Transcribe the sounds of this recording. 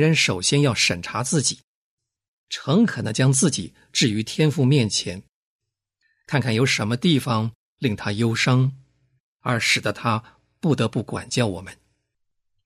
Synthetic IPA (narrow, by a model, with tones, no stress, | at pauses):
ɻə˧˥nʂo˨˩ʊɕjɛ˥njɑ˥˩ʊʂə˨˩nʈ͡ʂʰa˧˥t͡sɹ̩˥˩t͡ɕi̥˨˩˦ | ʈ͡ʂʰɤ˧˥ŋkʰɤ˨˩nə̰˧˥t͡ɕjɑ˥ŋt͡sɹ̩˥˩t͡ɕi˨˩˦ | ʈ͡ʂɻ̩˥˩y˧˥t̪ʰjɛ˥nfu˥˧mjɛ˥˩nt͡ɕʰjɛ˧˥n | kʰa˥˧nkʰa˥˩njo˧˥ʊʂə˧˥nmə˧t̪i˥˩fɑ˩ŋ | li˥˩ŋt̪ʰa˥jo˥ʊʂɤ˥ŋ | ə˞˧˥ʂɻ̩˨˩d̪ə˦t̪ʰa˥ | pu˥˩t̪ɤ˧˥pu˥˩kwa̰˨˩nt͡ɕjɑ˥˩ʊwɔ̰˨˩mə˦n